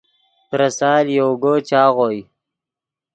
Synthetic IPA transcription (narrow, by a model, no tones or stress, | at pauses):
pɾɐsɑːljowɡot͡ʃɑːɣoːj